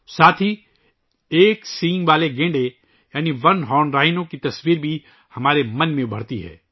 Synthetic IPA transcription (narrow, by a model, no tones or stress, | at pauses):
saːt̪ʰi | eːksĩːŋɡʋaːleɡẽːɳɖe | jaːniʋɐnɦɔːnɾaːɪnõkit̪ɐsʋiːɾbʱi | hɐmaːɾemɐnmẽʊbʱɐɽt̪iɦɛ̰ː